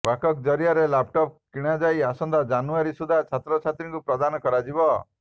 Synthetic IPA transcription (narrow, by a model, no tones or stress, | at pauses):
bakɔkd͡ʒɔɾijaɾelapʈɔp̚kiɽ̃ad͡ʒajasɔnd̪ʱad͡ʒanuaɾisud̪ʱat͡ʃʰat̪ɾɔt͡ʃʰat̪ɾiŋkupɾɔd̪anɔkɔɾad͡ʒibɔ